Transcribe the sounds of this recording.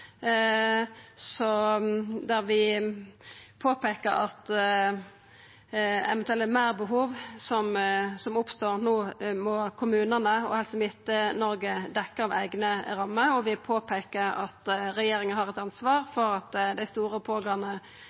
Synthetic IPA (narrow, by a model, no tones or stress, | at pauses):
sɔ | d̪æʁʋɪ | pʰoːpeːkəɾɑt̪ | ɛ̰ʋɛnt̪ʉɛlmæːʁbəɦuːʋsɔmsɔmʊpst̪oːʁnoːmɔkʰʊmʉːnənəɔ̰hɛlsmɪt̪ːənɔɾɡəd̪ɛkːəʁɑʋæɪɡnəɾɑmːəɾɔʋɪpʰoːpʰeːkəɾɑ̰t̪ɾɛjeːɾɪŋənhɑʁɛt̪ɑnsʋɑːʁfɔɾɑt̪d̪æɪst̪uːɾəpʰoːɡɑnə